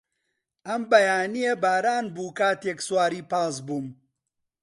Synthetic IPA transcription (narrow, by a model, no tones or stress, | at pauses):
ʔɐmbɐjaːnijebaːɾaːnbuːkaːt̪jekswaːɾiːpaːs̬buːm